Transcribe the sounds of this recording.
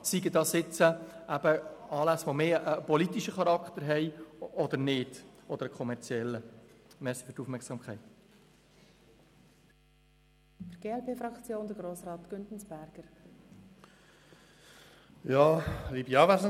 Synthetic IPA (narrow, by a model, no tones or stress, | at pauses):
siɡədɑsɪt͡səæb̥əɑːlæsʋomeːəpɔlit̪iʃəχɑɾɑkt̪əɾɦɛɪɔd̪əɾnɪd̥ɔd̪əɾəkʰɔmɛɾt͡sjɛlːəmɛsi̥fyɾtuːfmɛksɑːmkʰχæɪt̪ | fəɡ̥eːɛlpʰeːfɾɑkt͡sjoːnd̪əɡɾoːsɾɑːt̪ɡ̥ʏntn̩sb̥æɾɡ̥əɾ | jɑːlibiɑːvæɾs